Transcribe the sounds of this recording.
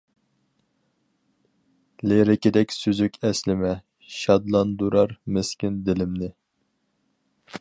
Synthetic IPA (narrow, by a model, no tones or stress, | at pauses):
leɾɪkʲid̪ɛkʲsyzykʲʰɛslɪmɛ | ʃɑd̪lˠɑnd̪uɾɑɾmɪskʲind̪ɪlɪmnɪ